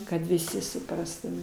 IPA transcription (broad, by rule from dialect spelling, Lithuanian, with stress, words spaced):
kɐt ʋʲɪˈsʲɪ sʊˈprɑːstʊmʲɛ